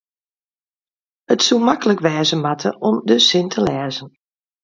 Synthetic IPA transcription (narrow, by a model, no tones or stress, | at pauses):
ətsulˠmakələkʋɛːzəmatʰə̰ʔɔmdəsɪntʰəlɛːzən